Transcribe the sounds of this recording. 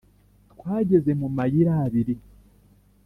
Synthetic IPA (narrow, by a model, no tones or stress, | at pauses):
tkwaːɟe̞ze̞mumajiɾaːβiɾi